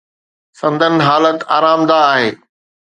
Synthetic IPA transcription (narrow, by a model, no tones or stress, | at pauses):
sɐ̃nd̪ʱənɪ̆ɦaːlət̪a̰ːɾaːmd̪aːɦeː